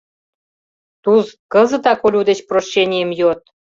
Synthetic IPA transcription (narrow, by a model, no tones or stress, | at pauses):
t̪uzkɤ̆zə̆t̪ɑkolʲud̪et͡ɕproʃːenʲijə̆mjot̪̚